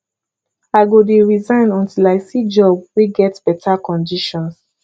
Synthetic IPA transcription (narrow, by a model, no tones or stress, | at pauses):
aɪɡodeɹizãɪ̃nɔ̃ntilaɪsid͡ʒɔb̚weɡɛtb̥ɛtʰakɔ̃ndiʃɔ̃ns